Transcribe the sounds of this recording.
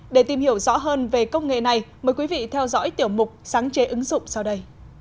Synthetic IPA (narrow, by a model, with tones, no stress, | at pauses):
ɗe˧˩t̪i˨˩mhi˧˩əwzɔ̰˧˥ɦəː˧nve˨˩kə˧wŋ͡mŋḛ˧˨na˨˩jməː˨˦jkwi˨˦vḭ˧˨t̪ʰɛ˧wzɔ̰˧˥jt̪i˧˩əwmʊ˨˩k͡p̚saː˨˦ŋt͡ɕe˨˦ʔɨ˨˦ŋzʊ̰˧˨ŋ͡msa˧wɗə˧j